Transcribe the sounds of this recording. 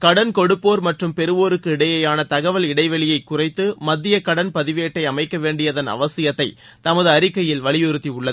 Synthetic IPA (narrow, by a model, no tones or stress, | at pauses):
kɐɽɐnkɔɽɯpːoːɾmɐʈrɯmpɛɾɯʋoːɾɯkːɯɪɽɐjɐjaːnɐt̪ɐɣɐʋɐlɪɽɐɪʋɐɭɪjɐɪkːʊrɐɪt̪ːɯmɐd̪ːɪjɐkɐɽɐnpɐðɪʋeːʈːɐɪɐmɐɪkːɐʋeːɳɖɪjɐðɐnɐ̰ʋɐsɪjɐt̪ːɐɪ | t̪ɐmɐðɯɐɾɪkːɐjɪlʋɐɭɪjɯɾɯt̪ːiʊɭːɐð